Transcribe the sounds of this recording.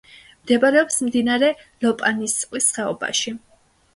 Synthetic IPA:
md̪ɛbaɾɛɔpsmd̪inaɾɛ | lɔpʼanist̪sʼqʼwisχɛɔ̰ba̰ʃi

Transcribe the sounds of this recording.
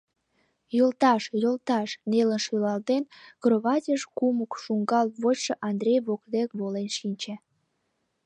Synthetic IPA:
jolt̪ɑʃjolt̪ɑʃnelənʃylɑlt̪enkroβɑtʲəʃkuməkʃuŋɡɑlβojʃəʔɑnd̪rʲejβok̚d̪ekβolenʃinʲt͡ɕe

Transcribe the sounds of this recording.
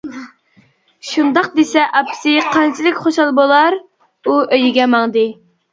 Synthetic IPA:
ʃund̪ɑq̚d̪esɛʔɑpʰsɨqʰɑnt͡ʃʰilɪkʲχoʃɑlˠbolˠɑɾ | uøjiɡʲɛmɑŋd̪ɨ

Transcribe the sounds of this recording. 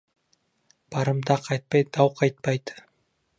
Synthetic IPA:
b̥ɑɾɯmd̪ɑqʰɑjt̪̚pɑj̪d̪ɑwqʰɑjt̪̚pɑjt̪

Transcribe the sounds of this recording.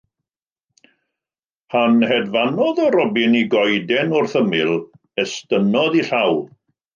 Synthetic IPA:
hanhɛdvanɔðɔɾɔbɪniɡɔjdɛnʊrθəmɪlˠ | ɛstənɔðiɬawlˠ

